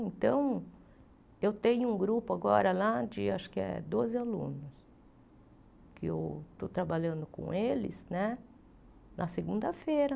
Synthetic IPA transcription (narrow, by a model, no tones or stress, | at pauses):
ẽnt̪ɐ̃w̃ | ewt̪ẽɲʊũɡɾupʊaɡɔ̰ɾɐlad͡ʒɪa̰ʃʊ̥kɪɛ̰d̪ozɪalṵ̃nʊs | kʰɪḛwt̪ot̪ɾabaʎɐ̃nd̪ʊkõ̰elɪ̰snɛ | nʔɐseɡũnd̪ɐfeɾɐ